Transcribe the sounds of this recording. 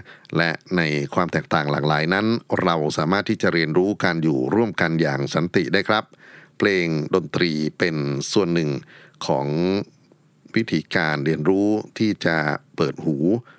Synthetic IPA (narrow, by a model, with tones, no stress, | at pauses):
lɛ̰˦˥ʔna˧jkʰwaː˧mt̪ɛː˨˩k̚t̪aː˨˩ŋla̰ː˨˩klaː˩˦jna˦˥nɾa˧wsaː˩˦maː˥˩t̪ʰːiː˥˩t͡ɕa˨˩ʔɾi˧ənɾuː˦˥ka˧njuː˨˩ɾu˥˩əmka˧njaː˨˩ŋsa˩˦nt̪i˨˩ʔdaː˥˩jkʰɾa˦˥p̚ʰːleː˧ŋdo˧nt̪ɾiː˧pe˧nsu˨˩ənːɯ˨˩ŋkʰɔ̰ː˩˦ŋ | wi˦˥t̪ʰiː˩˦kaː˧nɾi˧ənɾuː˦˥t̪ʰiː˥˩t͡ɕa˨˩pɤː˨˩t̪̚huː˩˦